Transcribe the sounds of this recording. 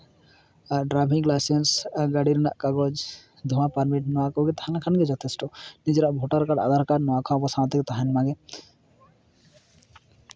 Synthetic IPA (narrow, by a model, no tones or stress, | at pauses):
aɖɾabʱiŋɡlajsensɡaɽiɾɖa̰ʔkaɡɔd͡ʒ | d̪ʱuwãpaɾmiʈnɔakoɡet̪aanakʰanɡed͡ʒɔt̪ʰesʈɔnid͡ʒɾaʔbʱoʈaɾkaɖa̰d̪aɾkaɾnɔãkʰãpɔsãt̪ekt̪aɦanmãɡe